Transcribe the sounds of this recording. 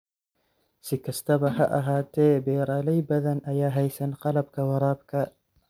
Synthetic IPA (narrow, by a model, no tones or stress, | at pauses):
sikɐst̪ɐbɐhɐʔɐɦaːt̪ebeːɾaːlɐjbɐd̪ɐnɐjaːɦɐjsɐnqɐlɐb̚kɐwɐɾaːb̚ka